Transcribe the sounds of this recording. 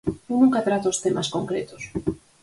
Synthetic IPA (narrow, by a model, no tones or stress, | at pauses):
unũŋkat̪ɾat̪oost̪emaskoŋkɾet̪o̥s